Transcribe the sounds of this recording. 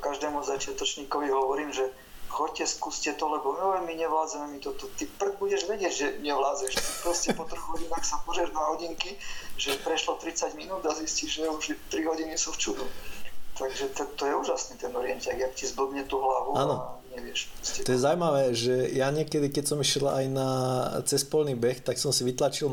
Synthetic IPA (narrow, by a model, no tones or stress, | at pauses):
kaʒd̪ɛːmuzat͡ʃɪat̪ɔt͡ʃɲiːkɔʋiɦɔʋɔɾiːmʒɛ | xɔcːɛskuscɛt̪ɔlɛbɔmɔɛmiɲɛʋlaːd͡zamɛmit̪ɔt̪ɔt̪ipɾɛbuɟɛʒʋɛɟɪɛɟʒɛmɲɛʋlaːd͡zɛʃt̪ipɾɔscɛpɔt̪r̩ɣɦɔɟinaxsapɔzɾjɛʒnaɦɔɟiŋkiʒɛpɾɛʃlɔt̪ɾit͡saɟminuːd̪azisciʒʒɛuʒt̪ɾiɦɔɟinisuft͡ʃud̪ut̪aɡʒɛt̪ɛt̪ɔjɛuːʒasniːt̪ɛnɔɾɪɛnt̪aɡjakcizb̩bɲɛt̪uːɦlaʋuaːnɔɲɛʋɪɛʃpɾɔscɛt̪ɔjɛzawmaʋɛʒɛjaɲɪɛkɛd̪ikɛcsɔmiʃɛla̰jnat͡sɛspɔlniːbɛxt̪aksɔmsiʋit̪lat͡ʃil